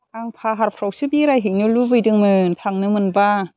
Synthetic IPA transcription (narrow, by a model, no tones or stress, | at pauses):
ʔaŋpʰaːɦaɾpʰɾowsɯbiɾajɦiŋnuluvɯdɯŋmɯnt̪ʰaŋnɯmɯnba